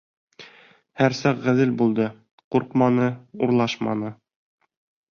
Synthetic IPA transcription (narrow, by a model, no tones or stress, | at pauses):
hæɾsɑqʁæðɘlbulˠd̪ɤ | quɾqmɑnɤuɾlˠɑʃmɑ̰nɤ